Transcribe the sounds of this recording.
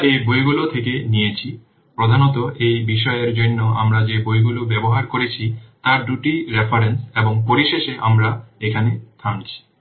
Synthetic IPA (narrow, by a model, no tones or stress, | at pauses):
ebojɡulot̪ʰekenijet͡ɕʰi | pɾod̪ʱanot̪oʔejbiʃɔeeɾd͡ʑonːoʔa̰mɾad͡ʑebojɡulobɛboɦaɾkoɾet͡ɕʰit̪aɾɖuʈiɾefʰaɾenseboŋpoɾiʃeʃeʔamɾaekʰanet̪ʰant͡ɕʰi̥